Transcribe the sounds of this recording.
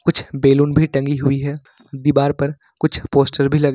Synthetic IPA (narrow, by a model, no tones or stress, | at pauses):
kʊt͡ʃʰbeːluːnbʱiʈɐ̃ŋɡiɦʊiɦɛ | d̪ibaːɾpɐɾ | kʊt͡ʃʰpoːsʈəɾbʱilɐɡ